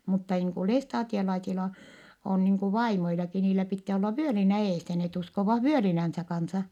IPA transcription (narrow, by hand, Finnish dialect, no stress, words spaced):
mutːɑ niːŋ ku lestɑːtiolɑisilɑ on niːŋ ku ʋɑimoilɑki niːlæ pitːæː olːɑ ʋyølinæ eːsæ net uskoʋɑh ʋyølinænsæ kɑnsɑ